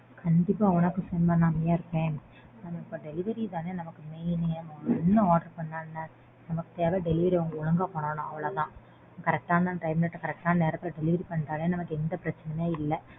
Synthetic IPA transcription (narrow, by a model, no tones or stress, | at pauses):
kɐɳɖɪpːaːʊnɐkːɯfɛnbɐnːaːmɐjaːɪɾɯkːẽː | ɐnɐɪpːoːɖɛlɪʋɐɾit̪ãːneːnɐmɐkːɯmejnːmɐɡɛnːɐaːɖɐɾpɐɳːaːnːaː | nɐmɐkːɯt̪eːʋeɖɛlɪʋɐɾiɐʊŋɡɐʊɭɐŋɡaːpoːɳoːnʊ̃ɐʋɐɭoːt̪ãː | kɐɾɛk̚ʈaːnd̪ãːʈɾɐɪmnɐʈːkɐɾɛk̚ʈaːnneːɾɐt̪ːɪlɐɖɛlɪʋɐɾipɐɳːʈ̪aːɭeːnɐmɐkːɯɛnd̪ɐpɪɾɐt͡ʃːɐnɛmeːɪlːɐ